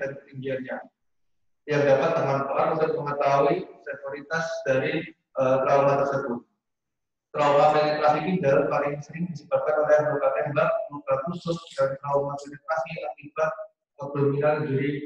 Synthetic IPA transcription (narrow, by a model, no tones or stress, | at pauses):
aɾikət̪iŋɡianɲa | jaŋdapat̪̚ːərɦampaʔanisaməŋət̪auisɛsoɾit̪asdaɾi | ʔət̪ɾaumant̪ərsəbʊt̪̚ | t̪ɾaumat̪init̪ɾasikidalampalɪŋsəɾɪŋdid͡ʒəbat̪̚kanolɛhbəkat̪ɛmbat̚məmukakusʊsdant̪ɾaumat̪init̪ɾasiakibat̪̚ | əpəminand͡ʒiɾi